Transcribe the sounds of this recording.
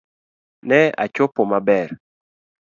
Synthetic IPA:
nɛa̰t͡ʃopomabɛɾ

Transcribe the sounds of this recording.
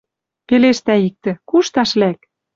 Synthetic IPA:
peleʃt̪æik̚t̪ɘ̆kuʃt̪ɑʃlæk

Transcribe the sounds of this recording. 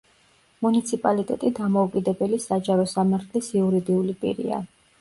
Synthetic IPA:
munit̪sʰipʼalit̪ʼɛ̰t̪ʼid̪amɔukʼid̪ɛbɛlisad͡ʒaɾɔsamaɾt̪ʰlisiuɾid̪iulipʼḭɾḭa̰

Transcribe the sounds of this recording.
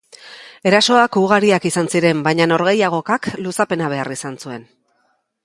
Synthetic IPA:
e̞ɾaso̞akuɣaɾiakisansiɾe̞mbajɲano̞ɾɣe̞jaɣo̞kaklusape̞naβ̞e̞arisansue̞n

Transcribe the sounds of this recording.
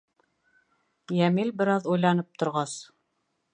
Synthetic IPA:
jæmilbɘ̆ɾɑðujlˠɑnɤp̚t̪ʰŏɾʁɑs

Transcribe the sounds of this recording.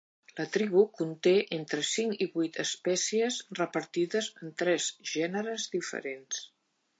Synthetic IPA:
lət̪ɾiβukunt̪eʔent̪ɾəsiŋkiβujt̪əspɛsiəzrəpəɾt̪iðəzənt̪ɾɛzʒɛnəɾəzðifə̰ɾens

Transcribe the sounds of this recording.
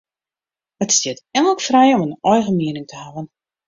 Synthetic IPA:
ʋɔtsdɪtɛŋələkfrɛjɔmənɔjɣəmiənɪŋtʰəhavən

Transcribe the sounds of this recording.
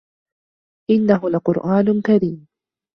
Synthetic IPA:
ʔɪnːaɦʊlaqʊɾʔaːnkaɾiːm

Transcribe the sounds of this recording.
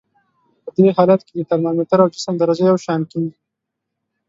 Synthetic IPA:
pəd̪eɦɑlat̪ked̪ət̪aɾnɑmeʈ̪aɾawd͡ʒɪsəmd̪aɾad͡ʒajawʃɑnkiɡi

